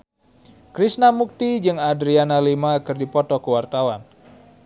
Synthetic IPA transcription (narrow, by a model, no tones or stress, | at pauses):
kɾisnamuk̚t̪id͡ʒɨŋadɾianalimakɨrdipɔt̪ɔkəwart̪awan